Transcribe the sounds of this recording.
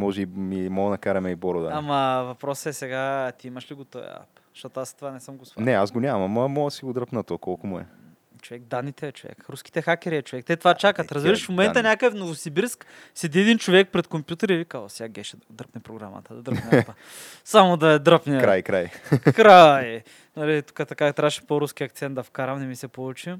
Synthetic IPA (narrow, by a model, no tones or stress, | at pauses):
mɔʒɛimimɔnɐkaɾɐmɛibɔɾod̪əamɐvɐpɾɔsɛsɛɡat̪iimɐʃliɡot̪ɔj̰a̰pzɐʃt̪ɔt̪oast̪ovanɛsəmɡosvnɛazɡonʲamɐmɐmɔəsiɡʊd̪ɾəpnət̪ɔkɔlˠkʊmʊɛ̰ | t͡ʃovɛk̚d̪anːit̪ɛːt͡ʃovɛ̰kɾuski̥t̪ɛxakʲɛɾiɛt͡ʃovɛk̚t̪ɛt̪ovat͡ʃakətt̪ɾɐzbiɾəʃfmomɛnɐnʲakəfnovosibiɾsk | sɛd̪iɛd̪int͡ʃovɛk̚pɾɛt̪kompʲjut̪ɛɾivikazosjaɡʲɛʃɛd̪d̪ɾəpnɛpɾoɡɾa̰mɐ̰t̪ɐd̪ɐd̪ɾəpnt̪ə | samod̪ɐɛd̪ɾəpnɛɾajkɾajkɾaj | nɐlit̪u̥kət̪ɐkat̪ɾaʃipoɾusk̟ʲiɐkt̪sɛnt̪d̪ɐfkaɾɐmnɛmisɛpolˠut͡ʃi